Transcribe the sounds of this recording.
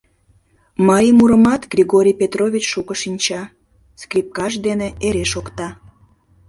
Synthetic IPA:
mɑəmuɾəmɑt̪ɡrʲiɣoɾʲijpʲet̪roβʲit͡ɕʃukəʃinʲt͡ɕɑ | skrʲip̚kɑʒd̪eneeɾeʃokt̪ɑ

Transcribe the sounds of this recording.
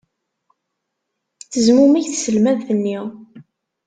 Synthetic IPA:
θəzmumiʝθsəlmæðθənːiʁ

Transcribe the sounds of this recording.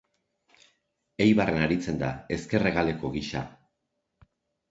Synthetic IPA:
e̞jβarʔe̞naɾit͡se̞nd̪a̰e̞ske̞re̞ɣ̞ale̞ko̞ɣiʃa̰

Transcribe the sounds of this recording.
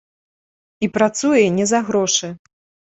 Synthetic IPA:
ipɾat̪sujɛnʲɛzɐɣɾɔʂɨ

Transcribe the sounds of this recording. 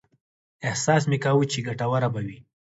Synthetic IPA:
ɪhsɑs̬mekawut͡ʃeɡaʈawaɾabawi

